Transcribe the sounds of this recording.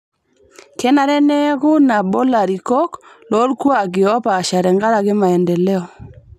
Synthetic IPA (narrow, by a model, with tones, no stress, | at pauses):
kɛ˦na˨ɾɛ˦nɛ˦kʊ˦na˨bɔ˦la˨ɾi˨kɔ˦k | lɔ˨˦lku˦a˨ɡɪ˨ɔ˦pa˨ʃa˨ɾɛ˨ŋɡa˦ɾa˨ɡɪ˦ma˨ɛ˨ndɛ˨lɛ˦ɔ˨